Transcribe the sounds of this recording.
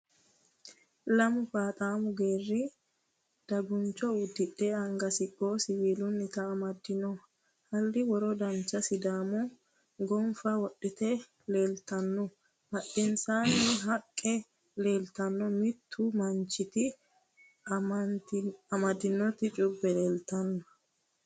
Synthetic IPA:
lɐmʊfaːt̪ʼaːmʊɡeːrːɪ | d̪̥ɐbʊnt͡ʃɔʊd̪ːɪᶑeːɐŋɡɐsɪkʼːoːsɪwiːlʊnːɪt̪ɐːmɐd̪ːɪnɔ | hɐlːɪwɔɾɔd̪ɐnt͡ʃːɐsɪd̪aːmʊ | ɡɔmfɐwɔɗːɪt̪ɛ | le̞ːlt̪ɐnːɔ | bɐɗɪnsaːnːɪɦɐkʼːɛ | le̞ːlt̪ɐnːɔmɪt̪ʰːʊmɐnt͡ʃːɪt̪ɪ | nt̪ɐmɐd̪ːɪnːɔt̪ɪt͡ʃʼʊbːɛleːlt̪ɐnːɔ

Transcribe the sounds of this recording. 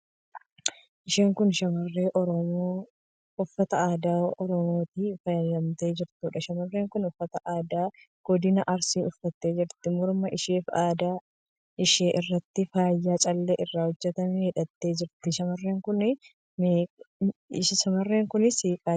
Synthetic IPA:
ʔɪʃeːŋkʊnʃɐmɐrːeːʔɔɾɔ | ʊfːɐt̪ɐaːd̪aːʔɔɾɔmo̞ːt̪iːfɐjɐd̪ɐmt̪e̞ːd͡ʒɪɾt̪uːᶑɐʃɐmɐrːe̞ːŋkʊnʊfːɐt̪ɐʔaːd̪aː | ɡ̥ɔd̪ɪnɐʔɐɾsiːʔʊfːɐt̪ːe̞ːd͡ʒɪɾt̪ɪmʊɾmɐʔɪʃeːfaːd̪aː | ʔɪʃeːʔɪrːɐt̪ːɪfaːjːaːt͡ʃʼɐlːeːʔɪrːaːhɔd͡ʒːɛt̪ɐmɛhɪᶑɐt̪ːe̞ːd͡ʒɪɾt̪ːɪʃɐmɐrːeːŋkʊn | meː | ɪʃɐʃɐmɐrːe̞ːŋkʊnɪsiːkʼaː

